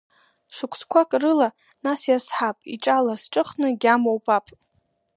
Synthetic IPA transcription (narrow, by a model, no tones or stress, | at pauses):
ʂɨkʷʰt͡sʰkʷakʼrɨla | nasjasħapʼiʈ͡ʂʼalasʈ͡ʂʼɨχnɨɡʲamowpʰʼapʼ